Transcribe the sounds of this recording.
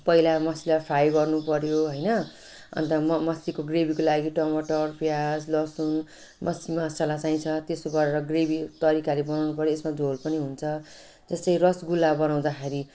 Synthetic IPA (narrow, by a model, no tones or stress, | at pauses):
pʌɦilamʌsilapʰajɡʌrnupʌɾjoɦʌjnʌ | ʌ̰nt̪ʌmmʌsikoɡrebikolaɡiʈʌmʌʈʌrpjad͡zlʌsun | mʌsimaːst͡sʌlat͡saĩt͡sʰʌt̪esoɡʌɾeɾʌɡrebit̪ʌɾikalebʌnawnupʌɾjoesmad͡zʱolpʌniɦunt͡sʰʌ | d͡zʌst̪ʌjrʌsɡulːabʌnaw̃d̪akʰeɾi